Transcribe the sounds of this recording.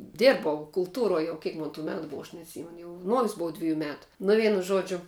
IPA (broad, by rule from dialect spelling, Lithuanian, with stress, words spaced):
ˈdʲɪrbɐʊ kʊlˠˈtuːroːj ˈjɛʊ ˈkʲiɛk moːn tuː ˈmʲæːtʊ ˈboːʋɐ ɐʃ nʲɛɐtʲˈsʲiːmʲɛnʊ jɛʊ ˈnoːjʊs ˈbʊʋɐ ˈdʲʋʲɪjuː ˈmʲæːtʊ ˈnʊ ˈʋʲiɛnʊ ˈʒoːd͡ʒʲʊ